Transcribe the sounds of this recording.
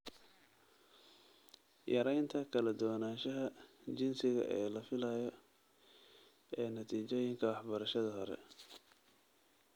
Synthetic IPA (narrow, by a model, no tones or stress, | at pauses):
jʔɐɾɛjnt̪ʰɐkʰɐlɐd̪ʊwnaːʃɐɦɐt͡ʃɪnsɪɣɐ̰ʔɛːlɐfɪlɐjɔ | ɛːnɐt̪ʰiːt͡ʃɔjɪŋkʰɐwɑħbɐɾɐʃɐðɐɦɔɾɛ̰